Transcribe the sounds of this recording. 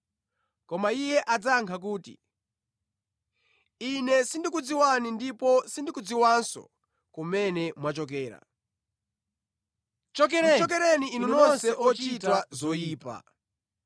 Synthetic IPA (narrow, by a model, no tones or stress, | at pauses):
kɔmaijɛʔad͡zaŋkʰak̬uːtḭ | inɛsindikud͡ziwanindipɔsindikud͡ziwansɔ̰ | kumɛnɛmwat͡ʃɔk̬ɛːɾa̰ | t͡ʃɔk̬ɛɾɛniːnunɔnsɛʔɔt͡ʃitwazɔiːpa̰